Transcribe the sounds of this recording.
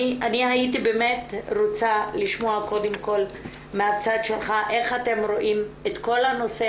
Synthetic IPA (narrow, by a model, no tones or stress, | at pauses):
anihaitibe̞metʁot͡saliʃmo̞ako̞demko̞l | meat͡sad̪ʃelχaʔe̞χate̞mʁo̞ʔimetko̞lhano̞se